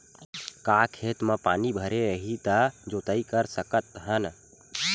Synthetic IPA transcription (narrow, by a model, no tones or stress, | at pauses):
kakʰeːt̪məpaːnibʱəɾeəɦit̪əd͡ʒoːt̪əikəɾsəkət̪ɦən